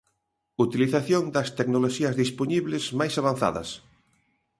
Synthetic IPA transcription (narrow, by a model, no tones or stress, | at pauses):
ut̪iliθaθjoŋd̪ɐst̪eknoloʃiɐzðisponiβlezmajsaβan̟θa̰ðɐ̰s